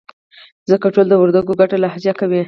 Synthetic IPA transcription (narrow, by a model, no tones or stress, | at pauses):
zəkaʈold̪əwʊɾd̪aɡoɡaʈalahzjakawi